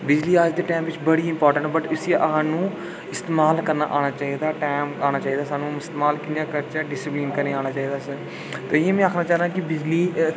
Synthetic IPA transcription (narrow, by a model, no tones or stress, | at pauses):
bɪd͡ʒliːad͡ʒd̪eːʈaːmʋɪt͡ʃbəɽiːɪmpɔːɾʈə̃ɳʈbəʈʊsiaʔəɦãːnũː | ɪst̪eːmaːlkəɾna̰ːʔaːɽ̃aːt͡ʃaːiːd̪aːʈaːmaːñaːt͡ʃaːɦiːd̪aːsaːnũːɪst̪eːmaːlkɪnãːkəɾt͡ʃəɖɪsɪplɪːnkəɾneːaːɽ̃aːt͡ʃaːiːd̪aːsə | t̪oːɪjẽːmɛ̃ːaːkʰnaːt͡ʃaːɾaːkɪbɪd͡ʒliː